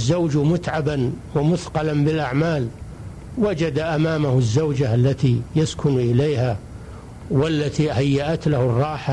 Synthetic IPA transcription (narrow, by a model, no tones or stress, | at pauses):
zːawd͡ʒmʊt̪ʕabanwamʊθqɑlanbɪlʔaʕmaːl | wad͡ʒad̪aʔamaːmahzːawd͡ʒaalːat̪ijaskʊnʔɪleːha | walːat̪ihajːaʔat̪lahʊrˤːɑːħa